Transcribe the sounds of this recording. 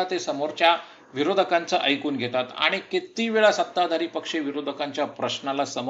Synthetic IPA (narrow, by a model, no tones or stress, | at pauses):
at̪esəmoɾt͡ɕja | ʋiɾod̪ʱəkant͡səʔəjkuːnɡʱet̪at̪a̰ɽ̃ikit̪iʋeɭasət̪ːad̪ʱaɾiːpəkʂeʋiɾod̪ʱəkaɲt͡ɕjapɾəɕnalasəm